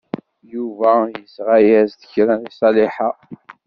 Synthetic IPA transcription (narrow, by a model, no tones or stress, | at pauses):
juvæjəsʁajæzðəçɾænisˤɑliħa